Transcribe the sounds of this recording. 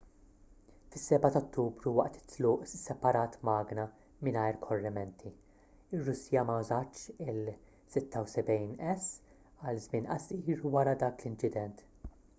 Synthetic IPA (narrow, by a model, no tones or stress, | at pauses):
fɪsːɛbɐt̪ɔt̪ːuːbɾuwɐʔt̪ɪ̥t̪ːlʊːʔsɛpɐɾɐːt̪mɐːɡnɐ | mɪnɐjɾkʰɔrːɛmɛnt̪ʰi | ɪrːʊsijɐmɐwzɐt͡ʃːɪl | sɪt̪ːɐwsɛbɛjnɛs | ɐlzmɪːnɐsiːɾwɐɾɐd̪ɐːklɪnt͡ʃɪd̪ɛnt̪